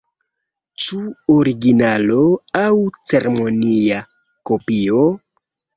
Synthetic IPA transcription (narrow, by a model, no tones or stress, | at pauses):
t͡ʃuoɾiɡinalo̞awt͡se̞ɾemo̞nia | ko̞pio